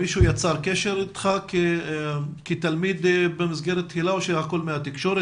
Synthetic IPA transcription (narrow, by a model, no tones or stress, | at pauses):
iʃujat͡saʁkeʃeɾit̪χake | kit̪almid̪bemizɡeɾet̪ːhilaoʃehako̞lmeat̪ikʃo̞ɾe